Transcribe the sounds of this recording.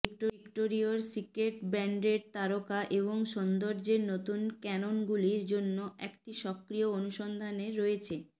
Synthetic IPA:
bikʈoikʈoɾioɾsikeʈbɛɳɖeɾt̪aɾokaʔeβoŋʃɔnd̪oɾd͡ʑeɾnot̪unkɛnonɡuliɾd͡ʑonːoʔɛkʈiʃɔkɾioonuʃɔnd̪ʱaneːoet͡ɕʰe

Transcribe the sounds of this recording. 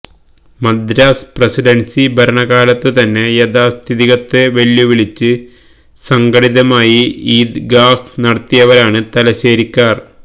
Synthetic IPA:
mɐd̪ɾaːsprɐsiɖɐnsibʱɐɾɐɳɐɣaːlɐt̪ːɨt̪ɐnːe̞jɐd̪aːst̪ʰiðiɣɐt̪ːe̞ʋe̞ɭjuʋiɭit͡ɕːɨ | sɐŋɡɐɽiðɐmaːjiiːd̪ɡaːfnɐɽɐt̪ːijɐʋɐɾaːɳɨt̪ɐlɐɕeːɾikʲːaːr

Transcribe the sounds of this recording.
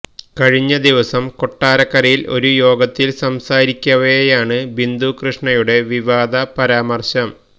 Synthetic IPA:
kɐɻiɲːɐd̪iʋɐsɐmko̞ʈːaːɾɐkːɐɾɐjilʔo̞̰ɾujo̞ːɡɐt̪ːilsɐmsaːɾikʲːɐʋejaːɳɨbind̪ukrɨʂɳɐjuɽe̞ʋiʋaːd̪ɐpɐɾaːmɐrɕɐm

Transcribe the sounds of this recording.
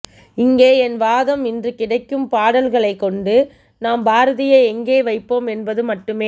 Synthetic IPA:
ɪŋɡeːɛnʋaːðɐmɪndrɯkɪɽɐɪkːɯmpaːɽɐlɣɐɭɐɪkːɔɳɖɯ | naːmbaːɾɐðɪjɐɪɛŋɡeːʋɐɪpːoːmɛnbɐðɯmɐʈːɯmeː

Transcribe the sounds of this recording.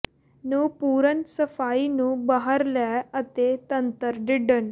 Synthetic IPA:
nupuːɾənsəfainuːbəɦaɾljaət̪et̪ənt̪əɾɖiɖəɳ

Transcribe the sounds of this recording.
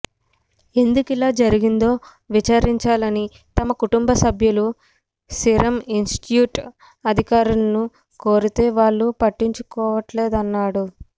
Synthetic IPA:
e̞nd̪ukilaːd͡ʒɐɾiɡind̪o̞ː | ʋit͡ʃaːɾiɲt͡ʃaːlɐni | t̪ɐmɐkuʈumbɐsɐbʱjulu | siɾɐminsʈʈjuːʈ | ɐd̪ʱikaːɾulɐnu | ko̞ːɾit̪e̞ːʋaːɭːupɐʈːiɲt͡ʃukɔːʋɐʈleːd̪ɐnːaːɽu

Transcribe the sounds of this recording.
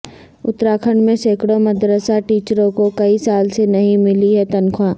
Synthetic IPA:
ʊt̪ːɾaːkʰəɳɖmẽseːkɽomɐd̪ɾəsaʈiːt͡ʃɾõkokɐisaːlsenɐɦĩmɪliɦɛt̪ɐnkʰwaː

